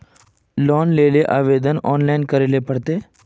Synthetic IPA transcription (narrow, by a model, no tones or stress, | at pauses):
lɔːnleːleʔaːʋeːd̪ənɔːnlaːɪnkəɾeːlepəɽt̪eː